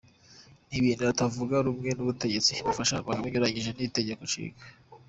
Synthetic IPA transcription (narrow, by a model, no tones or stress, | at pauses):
niβiːnduβatavuɡaɾumŋe̞nuβute̞ɟe̞t͡siβufaʃa̰maɡaβiɲoɾaɲiʒe̞nite̞ɟe̞ko̞t͡ʃḭːɡḁ